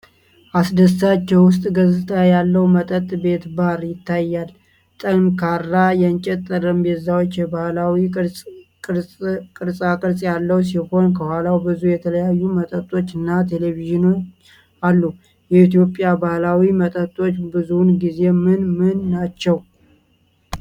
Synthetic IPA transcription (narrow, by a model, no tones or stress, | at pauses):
ʔasd̪əsːat͡ʃːɛwwʊst̪ʼɡəzɨt̪ʰʼajalːəwmət̪ʼət̪ʼbe̞t̪baɾjɪt̪ːajːal | t̪ʼənkʰaɾajɛnt͡ʃʼɛt̪ʼːɨɾɨmbɛzːawot͡ʃːjɛbahlawi | kʼkʼɨɾsʼakʼɨɾsʼjalːəws̬iho̞nkʰəhwalawbɨzujɛt̪ʰələjajːumət̪ʼət̪ʼːo̞t͡ʃːɨnːat̪ʰe̞leviʒinot͡ʃ | alːu | jɛit̪jo̞pʼjabahlawimət̪ʼət̪ʼːo̞t͡ʃːbɨzunɡize̞mɨnmɨnːat͡ʃːɛw